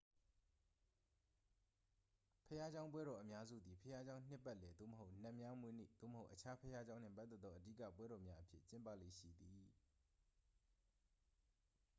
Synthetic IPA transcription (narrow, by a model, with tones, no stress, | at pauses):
pʰəja˦d͡ʑã˦ʊ̃mp̬wɛ˦ɾɔ˨ʔəmja˦zṵ˦˨d̪i˨pʰəja˦d͡ʑã˦ʊ̃n̥ɪ˦pːɛ˦ʔlɛ˨d̪o̰˦˨məɦo˦ʊʔn̥ã˦˨mja˦mwe˦nḛ˦˨d̪̥o̰˦˨mə˨ɦo˦ʊʔət͡ɕʰa˦pʰəja˦d͡ʑã˦ʊ̃n̥ɪ̰̃˦˨p̬a˦t̪ːθɛ˦t̪ːɔ˦˨ʔədi˦˨ka̰˦˨pwɛ˦ɾɔ˨mja˦ʔəpʰjɪ̰˦˨t͡ɕɪ̃˦mpä̰˦˨lḛ˦˨ʃḭ˦˨d̪i˨